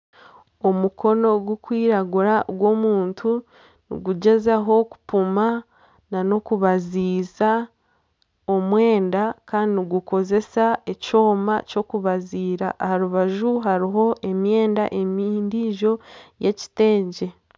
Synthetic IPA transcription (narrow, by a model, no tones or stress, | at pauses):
o̞muko̞no̞ɡwukwiːɾaɡuɾaɡwo̞ːmuːntʰu | nḭɡuɟe̞zaɦo̞ku̥puma | nano̞kuβaziːza | omwe̞ːndakaːndiniɡuko̞ze̞saeco̞ːma̰co̞kuβaziːɾa̰ʔːhaɾuβaʒuɦaɾiɦo̞ʔe̞mje̞ːndaʔe̞miːndiʒo̞je̞ci̥te̞ːɲɟe̞